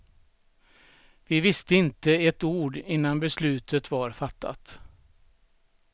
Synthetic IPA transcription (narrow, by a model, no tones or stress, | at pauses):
vɪvɪst̪əɪnt̪əɛt̪uːɖɪnːanbɛslʉ̟ːt̪ʰət̪vaɾfat̪ʰːa̰t̪